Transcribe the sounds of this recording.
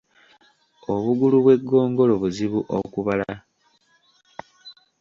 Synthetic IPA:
o̞βuɡuluβwe̞ɡːo̞ːŋɡo̞loβuziβuʔo̰kuβala

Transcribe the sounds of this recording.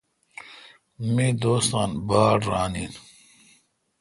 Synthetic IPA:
mid̪oːst̪aːnbaːɽɾaːniːn

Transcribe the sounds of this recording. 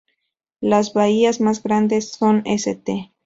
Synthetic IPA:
lazβaiazmazɡɾand̪esːoneset̪e

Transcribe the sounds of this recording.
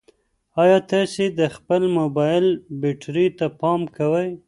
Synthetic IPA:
ɑjɑt̪ɑsed̪əxpəlmobɑjɪlbeʈɾit̪apɑmkawəj

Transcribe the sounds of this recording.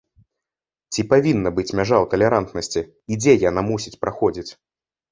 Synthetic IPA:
t͡sʲipavʲinːɐbɨt͡sʲmʲaʐawt̪ɐlʲɛɾant̪nɐsʲt͡sʲiː | d͡zʲɛjanamusʲit͡sʲpɾʔaxɔd͡zʲit͡sʲ

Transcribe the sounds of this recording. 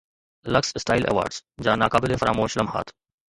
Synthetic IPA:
lɐksɪsʈaːɪlʔɛ̰ʋa̰ːɾɖsd͡ʒaːnaːkaːbɪlefɾa̰ːmoːʃlɐmha̰ːt̪ʰ

